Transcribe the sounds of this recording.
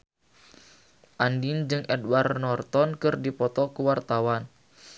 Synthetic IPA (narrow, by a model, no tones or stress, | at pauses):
ʔandind͡ʒɨŋɛdwarnɔrt̪ɔnkɨrdipɔt̪ɔkuwart̪awan